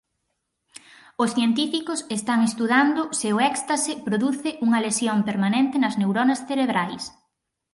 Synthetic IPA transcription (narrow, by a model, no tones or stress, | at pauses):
ʊsθjent̪ifikʊsest̪aŋest̪uðand̪ʊseʊɛkst̪ɐsɪpɾoðuθɪʔuŋɐlesjompeɾmanẽnt̪ɪnɐznewɾonɐsθeɾeβɾajs